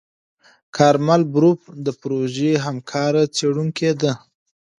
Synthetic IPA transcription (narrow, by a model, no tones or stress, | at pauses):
kʰɑɾmalbɾup̚d̪əpɾoʒeɦamkʰɑɾat͡seɽuŋked̪ə